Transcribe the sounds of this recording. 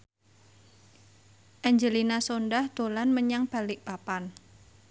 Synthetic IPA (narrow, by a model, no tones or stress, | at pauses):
ʔaɲd͡ʒəlinasonɖahd̪̥o̤lanməɲaŋb̥a̤lɪk̚papan